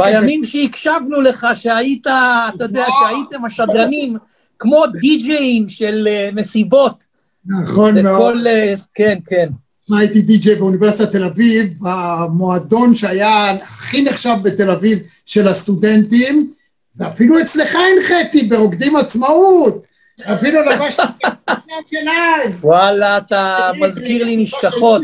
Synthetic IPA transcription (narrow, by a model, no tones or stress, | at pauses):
bajamimʃeikʃavnule̞χaʃeajit̪aːt̪ajod̪eaʃeajit̪e̞maʃadʁanim | kmo̞d̪id͡ʒeimʃeleme̞sibo̞t | naχo̞nemeoleke̞nke̞n | majt̪id̪id͡ʒejbeuniveʁsit̪at̪e̞lavivamo̞ad̪o̞nʃeajaaχineχʃavbe̞t̪e̞laviv | ʃe̞last̪ud̪e̞nt̪im | veafiluet͡sleχaenχet̪ibe̞oɡd̪imat͡smaut̪ | avinulavaʃaanʃelazwalaːt̪amazkiʁliniʃkaot̪